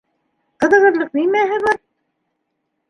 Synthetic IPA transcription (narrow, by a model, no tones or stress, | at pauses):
qɤ̆ðɤ̆ʁɤ̆ɾlˠɤq̚nimæɦɘβɑɾ